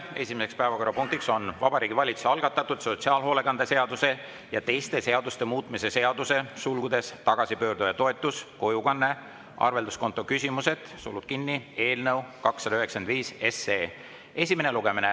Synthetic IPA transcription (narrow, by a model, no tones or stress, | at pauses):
e̞sʲimese̞kspæevɑko̞ɾɑpuŋk̚t̪ikso̞nvɑb̥ɑɾiːɡivɑlʲit̪su̥sɑlɡ̥ɑt̪ːˑɑt̪ːˑud̪̥so̞t̪ʲsiɑːlɦo̞ːle̞kɑnd̪̥eseɑd̪̥use̞ | jɑt̪e̞jst̪e̞se̞ɑd̪ust̪e̞muːt̪ˑmise̞se̞ɑd̪̥use̞sulɡ̥ud̪̥e̞st̪ɑɡ̥ɑsipø̞ːɾd̪ujɑt̪o̞e̞t̪ːˑusko̞jukɑnːe̞ | ʔɑ̰rve̞ld̪usko̞nt̪ːˑo̞kysʲimuse̞d̪̥sulːud̪̥̚kinːie̞ːlnəwkɑksːɑd̪ɑyɦeksend̪viːse̞seː | e̞sʲimeneluɡ̥e̞mine